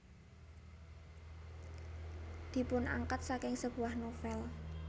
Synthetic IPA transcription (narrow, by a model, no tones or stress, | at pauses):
d̪̥i̤pʊnʔa̰ŋkat̪̚sakɪŋsəb̥ṳahnofɛl